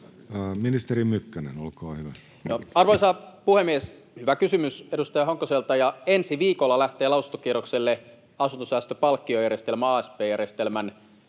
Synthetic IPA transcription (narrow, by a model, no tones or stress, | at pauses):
minist̪eɾimmykːænenolkɑːhyʋæ | noɑrʋoisɑpuhemːies | hyʋækysymysedust̪ɑjɑhoŋkːoselt̪ɑjɑensiʋiːkolːɑlæht̪eːlɑusunt̪o̥kierokselːe | ɑsunt̪osæːst̪øpɑlkːiojærjest̪elmæɑːespeːjærjest̪elmæn